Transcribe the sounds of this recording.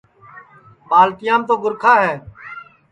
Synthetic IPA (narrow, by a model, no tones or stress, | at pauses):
ɓaːlt̪ɪjãːmt̪oːɡʊɾkʰaːɦɛː